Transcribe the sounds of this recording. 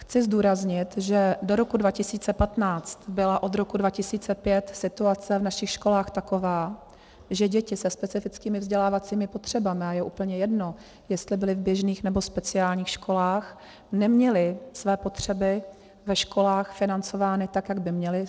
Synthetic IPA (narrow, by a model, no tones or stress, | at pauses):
xt͡sɪzduːɾazɲɪt̪ʒɛdoɾo̞kudvacɪsiːt͡sɛpat̪naːt͡st̪bɪlaʔo̞d̪ɾo̞kudvacɪsiːt͡sɛpjɛt̪sɪt̪uat͡sɛvnaʃɪxʃko̞laːxt̪akovaː | ʒɛɟɛcɪsɛspɛt͡sɪfɪt͡skiːmɪvzɟɛlaːvat͡siːmɪpo̞t̪r̝̥ɛbamɪajɛʔuːpl̩ɲɛjɛdno̞ | jɛst̪lɪbɪlɪvbjɛʒniːxnɛbo̞spɛt͡sɪaːlɲiːxʃko̞laːx | nɛmɲɛlɪsvɛːpo̞t̪r̝̥ɛbɪ | vɛʃko̞laːxfɪnant͡so̞vaːnɪt̪akjaɡbɪmɲɛlɪ